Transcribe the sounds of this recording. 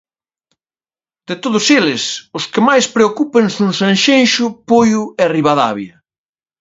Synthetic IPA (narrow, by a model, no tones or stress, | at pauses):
d̪̥et̪oðʊselɪsʊskɪmajspɾeokupeŋsunsãnʃenʃʊpojʊɛriβaða̰βjɐ